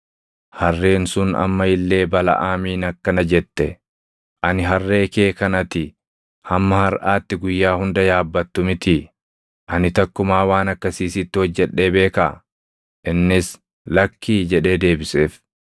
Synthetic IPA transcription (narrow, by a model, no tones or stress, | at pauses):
hɐrːe̞ːnsʊnɐ̰mːɐɪlːe̞ːbɐlɐ̰ʔaːmiːnɐkːɐnɐd͡ʒɛt̪ːɛ | ʔɐnɪɦɐrːe̞ːke̞ːkɐnɐt̪ɪ | hɐmːɐhɐɾʔaːt̪ːɪɡʊjːaːhʊnd̪ɐjaːbːɐt̪ːʊmɪt̪ɪ | ʔɐnɪt̪ɐkːʊmaːwaːnɐkːɐsiːsɪt̪ːɪhɔd͡ʒːɛᶑːe̞ːbe̞ːka | ʔɪnːɪs | lɐkːiːd͡ʒɛᶑe̞ːd̪e̞ːbɪse̞ːf